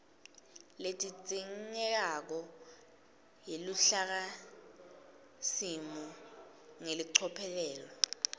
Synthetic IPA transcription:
letʼit͡sʼiŋŋɛk̬ak̬ɔ | jiluɬak̬a | simu | ŋeliǀʰɔpʰɛlɛːlɔ

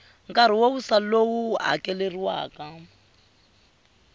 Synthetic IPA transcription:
ŋkʼaɾ̤iwowusalowuɦa̰kʼɛleriwa̰ːka

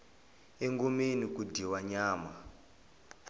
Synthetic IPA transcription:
eŋɡomenikudʱiwaɲaːma

